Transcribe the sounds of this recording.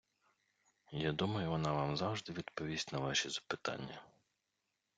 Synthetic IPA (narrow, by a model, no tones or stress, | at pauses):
jad̪umɐjʊʋɔnɑʋɑmzɑwʒd̪ɪʋʲid̪pɔʋʲisʲtʲnɐʋɑʃɛzɐ̥pɪt̪ɑ̰nʲːɐ